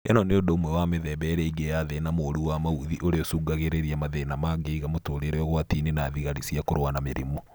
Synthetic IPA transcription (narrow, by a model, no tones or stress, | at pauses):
ɛ̰nɔneondoomwɛwameðɛβɛɾɛiɡejaðenamoːɾuwamauðiʔoɾeosuɡaɣeɾeɾiamaðenamaɡeiɣamotoɾeɾeɔɣwatinenaðiɣaɾisiakoɾowanameɾimo